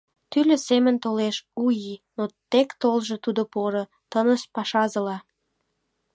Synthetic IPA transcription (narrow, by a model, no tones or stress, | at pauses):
t̪ylø̆semə̆nt̪oleʃujinot̪ekt̪olʒe̽t̪ud̪opoɾə | t̪ənəʃpɑʃɑzəlɑ